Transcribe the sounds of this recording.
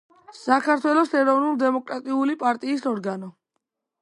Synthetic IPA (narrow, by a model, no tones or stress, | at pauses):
sakʰaɾt̪ʰwɛlˠɔsɛɾɔvnulˠd̪ɛmɔkʼɾat̪ʼiulipʼaɾt̪ʼiːsɔɾɡanɔ